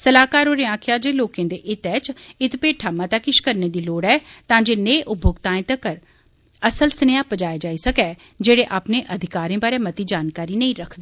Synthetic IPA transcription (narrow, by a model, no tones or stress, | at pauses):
səlaːkaːɾoːɾeːãːkʰɪjaːd͡ʒeːloːkẽːd̪eːʔɪt̪ɛːt͡ʃɪt̪peːʈʰaːmãːt̪akɪʃkəɾneːd̪iːloːɽɛːt̪ãːd͡ʒeːneːʔʊbʱʊɡt̪ãːẽːt̪əkəɾ | əsəlsənejaːpəd͡ʒaːed͡ʒaːisəkɛː | d͡ʒeːɽeːʔaːpneːʔəd̪ʱɪkaːɾẽːbaːɾeːmət̪iːd͡ʒaːnkaːɾiːnəĩːɾəkʰd̪iː